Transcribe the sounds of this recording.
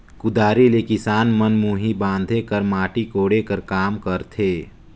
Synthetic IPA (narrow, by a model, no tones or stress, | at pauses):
kʊd̪aːɾilekɪsaːnmənmuːɦibãːnd̪ʱekəɾmaːʈikoːɽekəɾkaːmkəɾt̪ʰeː